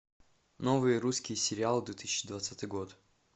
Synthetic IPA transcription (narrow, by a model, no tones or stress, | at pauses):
novɨjəɾuskʲɪjsʲɪɾʲɪalˠd̪vʲɪt̪ɨ̥sʲt͡ɕːɪd̪vat̪sat̪ɨjɡo̞t̪